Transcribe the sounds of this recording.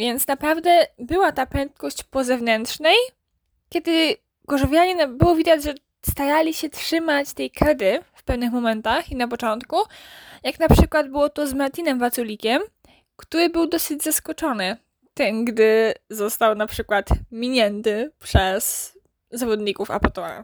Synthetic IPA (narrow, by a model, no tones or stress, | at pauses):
vʲjɛnt̪snapɾavd̪ɛbɘwat̪apɛnt̪̚kɔɕt͡ɕpɔzɛvnɛntʂnɛj | kʲɛd̪ɘ | ɡ̥ɔʐɔvʲjaɲɛnabɘwɔvʲid̪ad͡ʑʐɛ | st̪aɾalʲiɕɛtʂɘmat͡ɕt̪ɛjkɾɛd̪ɘfpɛvnɘxmɔmɛnt̪axinap̬ɔt͡ʂɔnt̪kujaknapʂɘkwad̪̚bɘwɔt̪ɔzmaɾt̪ʲinɛmvat̪sulʲikʲɛm | kt̪uɾɘbɘwd̪ɔsɘd͡ʑzaskɔt͡ʂɔnɘ | t̪ɛmɡd̪ɘzɔst̪awnapʂɘkwat̪mʲiɲɛnt̪ɘpʂɛs | zavɔd̪ɲikufa̰pɔt̪ɔa̰